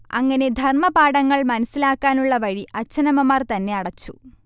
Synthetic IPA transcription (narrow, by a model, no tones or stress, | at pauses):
ɐ̰ŋːɐne̞d̪ʱɐrmɐbaːɽɐŋːɐɭmɐnɐsilaːkːaːnuɭːɐʋɐɻiʔɐt͡ɕːɐnɐmɐmaːrt̪ɐnːe̞ɐɽɐt͡ɕːṵ